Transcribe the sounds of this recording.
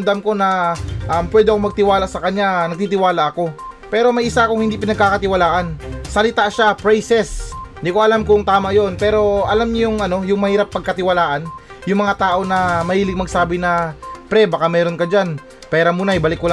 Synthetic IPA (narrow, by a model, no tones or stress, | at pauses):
md̪amko̞nɐʔampwɛːd̪ɪʔɐkomɐɡ̚t̪ɪwaːlasɐkɐɲanɐɡ̚t̪iːt̪ɪwaːlɐʔɐko̞pɛːɾo̞mɐjʔɪsaʔɐkoŋhɪnd̪ipɪnɐɡ̚kakɐt̪ɪwɐlaːʔɐnsɐlɪt̪aʔʃapɾɛjsɛsnd̪iko̞ʔɐlamkoŋt̪aːmajo̞npɛːɾo̞ʔɐlamɲʊjʊŋʔɐno̞jʊŋmɐhiːɾapːɐɡ̚kɐt̪ɪwɐlaːʔɐn | jʊŋmɐŋat̪aːʔo̞nɐmɐhiːlɪɡ̚mɐɡ̚saːbɪnɐpɾɛbaːkamɛːɾo̞nkɐd͡ʒan | pɛːɾɐmuːnɐjbɐlɪkːʊla